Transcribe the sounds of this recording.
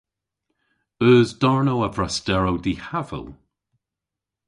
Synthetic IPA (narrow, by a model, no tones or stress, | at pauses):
øːzdɔɹnowavɹasd̥ɛɹowdihavə̰lˠ